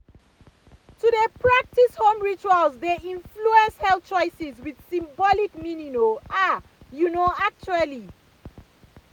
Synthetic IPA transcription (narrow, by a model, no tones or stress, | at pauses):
tudepʰɹak̚tishõmɹit͡ʃualzdeĩnfluɛ̃nshɛl̚t͡ʃɔjsizwidsĩmbɔlikmininoa | junoak̚t͡ʃuali